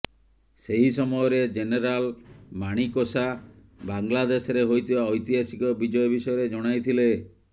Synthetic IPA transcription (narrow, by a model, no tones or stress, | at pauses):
seɦisɔmɔjɔɾed͡ʒeneɾalmaɽ̃ikosa | baŋlad̪esɔɾeɦojt̪ʰibaɔjt̪iɦasikɔbid͡ʒɔjɔbisɔjɔɾed͡ʒɔɽ̃ajt̪ʰile